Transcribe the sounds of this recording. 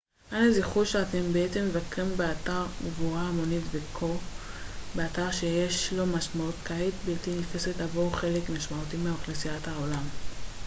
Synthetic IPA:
ʔaneziχuʃeatembeet̪emːevakʁimbeataʁɡvuʁaːmo̞nitvekʰo | be̞ataʁʃe̞jeʃlo̞maʃmautkaɦet̪biltinifesetlavoʁχe̞lekmaʃmautimeaaχlesijathaolam

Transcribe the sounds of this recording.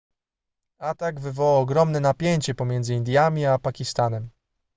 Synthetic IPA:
at̪aɡvɘvɔwawɔɡɾɔmnɛnapʲjeɲt͡ɕɛpɔmʲjɛnd̪zɘind̪ʲjamʲiapakʲist̪anɛm

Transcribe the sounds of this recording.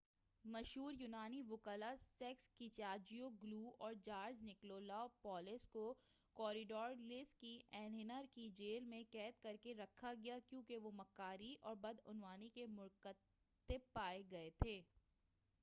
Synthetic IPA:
mɐʃɦuːɾjuːnaːniʋʊkəlasɛkskit͡ʃaːd͡ʒijoɡluːɔːɾd͡ʒaːɾd͡ʒnɪkloːlaopɔːlɪsko | kɔːɾɪɖɔːɾlɪskːiʔɛ̃ːnɦɪnəɾkid͡ʒeːlmẽkɛːt̪kɐɾkeɾɐkʰːaɡɐjakjõːkeʋomɐkːaːɾiʔɔːɾbɐd̪ʊnʋaːnikemʊɾkə | t̪ːɪb̚pːaːeɡɐet̪ʰeː

